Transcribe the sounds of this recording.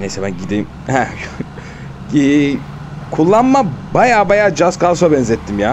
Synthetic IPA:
nejsɛbænɟid̪ejm | hɛ | ɛː | kʰulˠːanmabajaːbajaːd͡ʒaskalˠsobɛnzɛt̪ʰːimjaː

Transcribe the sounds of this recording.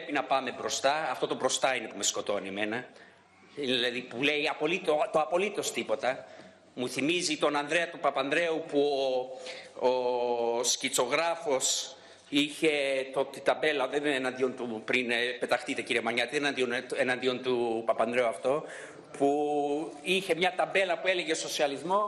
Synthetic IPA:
pepinɐpɐme̞bɾo̞st̪ɐɐft̪o̞t̪o̞bɾo̞st̪ɐine̞pume̞sko̞t̪o̞nime̞nɐ | iilɐðipule̞iɐpo̞lit̪ot̪oɐpo̞lit̪o̞st̪ipo̞t̪ɐ | muθimizit̪o̞nɐnd̪ɾe̞ɐt̪upɐpɐnd̪ɾe̞upuo | oscit͡so̞ɣɾɐfo̞s | içe̞t̪ot̪it̪ɐmbe̞lɐðenenɐnd̪io̞nt̪upɾinpe̞t̪ɐxt̪it̪e̞ciɾie̞mɐɲɐt̪ienɐnd̪ionenɐnd̪io̞nt̪upɐpɐnd̪ɾe̞uɐft̪o̞ | pu | içe̞mɲɐt̪ɐbe̞lɐpue̞le̞ɣe̞so̞siɐlizmo̞

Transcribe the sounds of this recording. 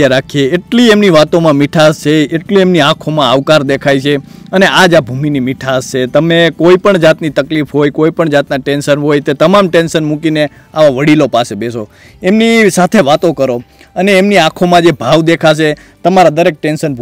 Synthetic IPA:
aɾakʰieːʈliemniʋat̪omãmiʈʰast͡ʃeeʈliemniãkʰomãaʋkaɾd̪ekʰajt͡ʃʰe | əneʔad͡ʒabʱuminimiʈʰast͡ʃet̪əmekoipəɳd͡ʒat̪nit̪əklifɦojkoipəɳd͡ʒat̪naʈenʃənɦojt̪et̪əmamʈenʃənmũkine | aʋaʋəɽilopasebeso | emnisat̪ʰeʋat̪okəɾo | əneːmniãkʰomãd͡ʒebʱaʋd̪ekʰat͡ʃʰe | t̪əmaɾad̪əɾek̚ʈenʃənbʱ

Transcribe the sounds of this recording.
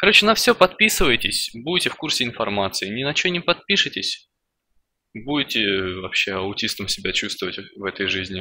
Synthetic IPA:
kɐɾo̞t͡ɕɪnɐfsʲɵpɐt̪̚pʲisɨvəjtʲɪsʲbudʲtʲɪfkursʲɪɪnfɐrmat̪sɨɪnʲɪnɐt͡ɕɵnʲɪpɐt̪̚pʲiʂɨtʲɪsʲ | budʲɪtʲɪvɐpɕːe̞ɐʊtʲist̪əmsʲɪbʲat͡ɕust̪vəvətʲvɛt̪əjʐɨzʲnʲɪ

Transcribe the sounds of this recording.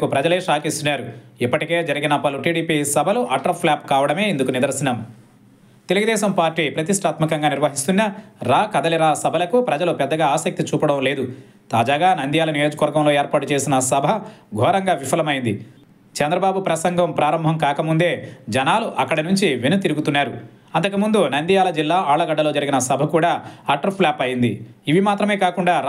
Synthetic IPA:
kupɾɐd͡ʒɐleːʂaːkist̪unaːɾuipːɐʈike̞ːd͡ʒɐɾiɡinɐpɐluʈiːɽiːpisɐbʱɐluʔɐʈɐpʰlaːp̚kaːʋɐɽɐme̞ːind̪ukunid̪ɐɾsinaːmu | t̪e̞luɡud̪ɛːʃɐmpaːɾʈiːpɾɐt̪iʂʈʰaːt̪mɐkɐŋɡaːniɾʋɐɦist̪unːɐɾaːkɐd̪ɐliɾaːsɐbʱɐlɐkupɾɐd͡ʒɐlupɛd̪ːɐɡaːaːsɐk̚t̪it͡ʃuːpɐɽɐmle̞ːd̪u | t̪aːd͡ʒaːɡaːnɐnd̪ijaːlɐnijo̞ːd͡ʒɐkɐʋɐɾɡɐmlo̞ːeːɾpaːʈut͡ʃe̞ːsinɐsɐbʱɐɡʱɔːɾɐŋɡaːʋipʰɐlɐmɐjind̪ḭ | t͡ʃɛnd̪ɾɐbaːbupɾɐsɐŋɡʱɐmpɾaːɾɐmbʱɐmkaːkɐmund̪e̞ːd͡ʒɐnaːluʔɐkːɐɽɐnuɲt͡ʃiʋenut̪iɾuɡut̪unːaːɾu | ɐnt̪ɐkɐmund̪unɐnd̪ijaːlɐd͡ʒilːaːaːɭɐɡɐɖːɐloːd͡ʒɐɾiɡinɐsɐbʱɐkuːɽaːaːʈːɐɾplaːpɐjind̪ḭiʋimaːt̪ɾɐme̞ːkaːkuɳɖaː

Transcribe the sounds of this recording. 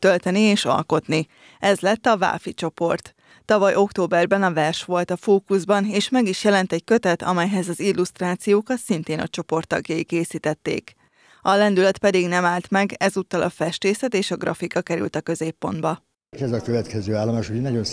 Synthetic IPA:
t̪ølt̪ɛnieːʃɒ̰lko̞t̪ni | ɛzlɛt̪ːɒva̰ːfit͡ʃo̞po̞rt̪ː | ɒvɒjo̞kt̪oːbɛrbɛnɒvɛrʃʋo̞lt̪ɒfoːkuzbɒneːʃmɛɡiʃjɛlɛnt̪ɛckøt̪ɛt̪ɒ̰mɛjɦɛzɒzilːust̪raːt̪sijoːkɒt̪sint̪eːnɒ̰t͡ʃo̞po̞rt̪ːɒ̰ɡjɒjikeːsiːt̪ɛt̪ːḛːk | ɒlɛnd̪ylɛt̪pɛd̪iɡnɛmaːlt̪mɛɡɛzut̪ːɒlʔɒfɛʃt̪eːsɛt̪eːʃɒɡrʔɒfikɒkɛɾy̰lt̪ɒkø̞zeːpːo̞̰nd̪bɒ | kɛzɒkøvɛt̪kɛzøːaːlːomaːʃuɛnɒɟon

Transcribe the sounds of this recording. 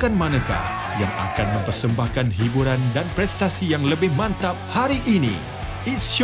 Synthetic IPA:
kanmãnãka̰h | ja̰ŋa̰kanmə̃mpərsəmbahkanɦibuɾandanpɾɛst̪asijaŋləbɪhmãnt̪ap̚haɾiʔinḭ | is

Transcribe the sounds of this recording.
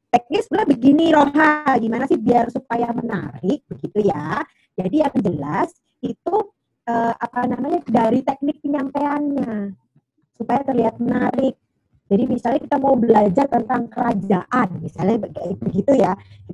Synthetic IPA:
t̪ɛk̚nɪksulabəɡiniɾoɦaɡimanasɪhbiarsupajaməna̰ɾɪk̚bəɡit̪uja | d͡ʒadijaŋd͡ʒəlas | it̪u | əːapanamaɲadaɾit̪ɛk̚nɪk̚pəɲampeanɲa | supajat̪ərliɦat̪̚mənaɾɪk̚ | d͡ʒadimisalɲakit̪amaubəlad͡ʒart̪ənt̪aŋkəɾad͡ʒaʔanmisalɲabəɡit̪ujaki

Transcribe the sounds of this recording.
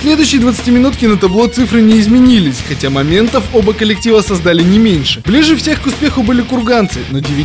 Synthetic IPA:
sʲlʲe̞d̪ʊjɕːɪjəd̪vət̪sɨ̥tʲimʲɪnut̪kʲɪnət̪ɐblˠo̞t̪sɨfɾɨnʲɪɪzmʲɪnʲilʲɪsʲxɐtʲamɐmʲe̞nt̪əfo̞bəkəlʲɪk̚tʲivəsɐzd̪alʲɪnʲɪmʲenʲʂɨblʲiʐɨfsʲe̞xkʊspʲe̞xʊbɨlʲɪkʊrɡant̪sɨnodʲɪvʲɪ

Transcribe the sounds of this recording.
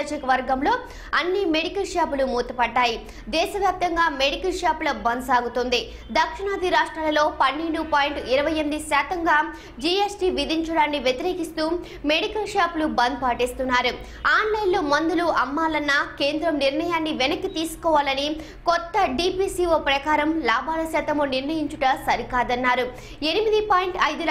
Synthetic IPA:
d͡ʒɐkɐʋɐɾɡɐmlo̞ː | ɐnːimeɽikɐlʂaːpulumuːt̪ɐpɐɖːaːji | d̪ɛːʃɐʋjaːp̚t̪ɐŋɡaːmeɽikɐlʂaːpulɐbɐnd̪saːɡut̪ond̪i | d̪ɐkʂiɳaːd̪iɾaːʂʈɾaːlɐlo̞ːpɐnːeɳɖupaːjiɳʈiɾɐʋɐjɐmid̪isaːt̪ɐŋɡaː | d͡ʒiesʈiːʋid̪iɲt͡ʃɐɽaːnːiʋjet̪iɾe̞ːkist̪uː | meɽikɐlʂaːplubɐnd̪̚paːʈeːst̪unːaːɾu | aːnlɐjlːomɐnd̪uluʔɐmːaːlɐnːɐkeːnd̪ɾɐmniɾɳɐjaːnːiʋenɐkːit̪iːsu̥kɔːʋaːlɐni | kɔt̪ːɐɖipiːsiːʋoːpɾɐkaːɾɐmlaːbaːlɐsaːt̪ɐmuniɾnɐjiɲt͡ʃuʈɐsɐɾikaːd̪ɐnːaːɾu | e̞nimid̪ipaːjiɳʈɐjd̪ul

